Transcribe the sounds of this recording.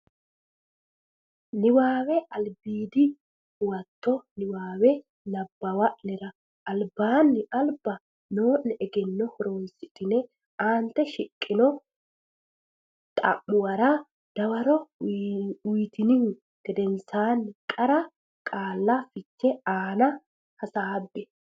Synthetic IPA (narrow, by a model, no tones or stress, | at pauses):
nɪwaːwɛɐlbiːd̪ɪ | ʊwɐt̪ːɔnɪwaːwɛ | nɐbːɐwɐʔnɛɾɐ | ɐlbaːnːɪɐlbɐ | noːʔnɛɛɡɛnːɔhɔɾoːnsɪt̪ːɪnɛ | aːnt̪ːɛʃɪkʼːɪnɔ | t̪ʼɐ̰mːʊwɐɾɐ | d̪̥ɐwɐɾɔ | wiːt̪ɪnɪhʊ | ɡ̪̥ɛd̪ɛnsaːnːɪkʼɐɾɐ | kʼaːlːɐfɪt͡ʃːɛaːnɐ | hɐsaːbːɛ